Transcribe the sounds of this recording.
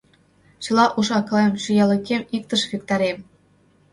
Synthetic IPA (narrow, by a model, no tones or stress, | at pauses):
t͡ɕɤ̆lˠɑʔuʃɑklˠɤmɕyjɑlʲɤ̆kʲemʲikt̪ɤ̆ʃvʲek̚t̪ɑɾʲem